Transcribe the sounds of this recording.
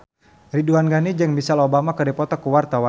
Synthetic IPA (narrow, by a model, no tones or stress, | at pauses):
riduanɡanid͡ʒəŋbisalobamakərdɛpɔt̪ɔkuwart̪awa